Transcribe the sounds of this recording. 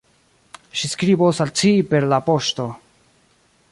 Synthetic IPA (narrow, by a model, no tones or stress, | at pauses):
ʃiskɾibosalt͡siːpeɾlapoʃto